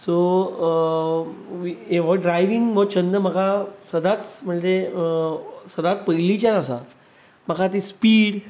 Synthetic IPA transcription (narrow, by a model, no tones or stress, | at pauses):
so | ʋieʋɔɖɾajʋiŋɡməɡt͡ɕənd̪əməɡasəd̪at͡sm̤əɳd͡ze | səd̪at͡s̚pəɦjlit͡ɕjanasa̰ | m̤əkʰat̪̬ispiːɽ